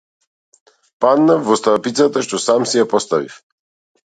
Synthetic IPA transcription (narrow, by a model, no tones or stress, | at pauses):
pad̪navːɔst̪apit̪sat̪aʃt̪ɔsamsijapɔst̪avḭf